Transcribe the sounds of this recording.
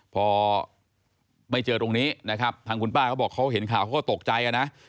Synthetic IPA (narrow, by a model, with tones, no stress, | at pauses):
pʰɔː˧ | ma˥˩jt͡ɕɤː˧t̪o˧ŋniː˦˥na˦˥kʰa˦˥p̚t̪ʰaː˧ŋkʰu˧npaː˥˩kʰa˦˥wbɔː˨˩kʰːa˦˥wɦe˩˦nkʰaː˨˩wʰka˦˥kɔː˥˩t̪o˨˩k̚t͡ɕa˧jʔa˧na˦˥ʔ